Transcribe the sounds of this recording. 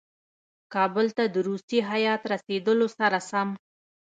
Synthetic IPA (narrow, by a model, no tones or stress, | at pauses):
kɑbəlt̪ad̪əɾust̪iɦajɑt̪ɾased̪əlosaɾasam